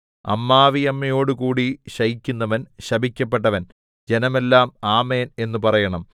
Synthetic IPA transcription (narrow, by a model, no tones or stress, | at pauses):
ɐ̰mːaːʋijɐmːɐjo̞ːɽukuːɽiɕɐjikʲːunːɐʋɐnɕɐbʱikʲːɐp̬ːe̞ʈ̬ːɐʋɐn | d͡ʑe̞nɐme̞lːaːmaːme̞ːne̞nːupɐrɐjɐɳɐm